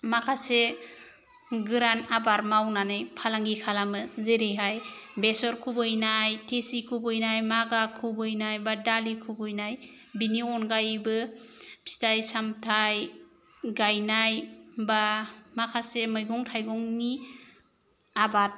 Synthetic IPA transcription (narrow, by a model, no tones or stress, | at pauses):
makʰase | ɡɯɾanabaɾmawnanajpʰalaŋɡikʰalamɯzeɾejɦajbesɔɾkʰubɯjnajtʰesikʰubɯjnajmaɡakʰubɯjnajbadalikʰubɯjnaj | biniɔnɡajbɯpʰi̥tajsamtʰaj | ɡajnajbamakʰasemɯjɡɔŋtʰajɡɔŋni | abat̚